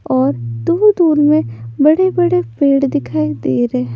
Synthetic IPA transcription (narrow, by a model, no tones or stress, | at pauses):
ɔːɾd̪uːɾd̪uːɾmẽbɐɽebɐɽepeːɽd̪ɪkʰaːid̪eːɾɛː